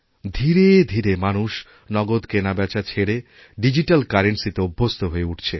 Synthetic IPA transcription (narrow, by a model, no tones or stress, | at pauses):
d̪ʱiɾed̪ʱiɾemanuʃ | nɔɡod̪kenabɛt͡ɕʰat͡ɕʰeɽe | ɖid͡ʑiʈalkaɾenʈsit̪eubʱːost̪ʰoɦoeuʈʰt͡ɕʰe